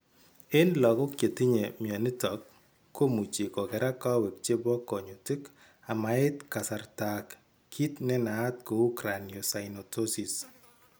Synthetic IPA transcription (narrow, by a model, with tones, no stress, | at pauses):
ɪ˦nlɔ˨ko˦kje˨ti˦ɲe˨mja˨ni˦tɔ˨kː | o˦mu˨t͡ʃe˨kɔ˨kɛ˨ɾa˦ka˦wɛ˨k̚t͡ʃe˦bɔ˦kɔ˨ɲo˨tɪ˦k | a˨ma˨ɪ˦tka˨sa˨rtakːʰ | i˦tnɛ˦naː˨˦t̚ko˨u˦kɾa˨nio˨sa˨ɪnɔ˨tʰo˦si˨s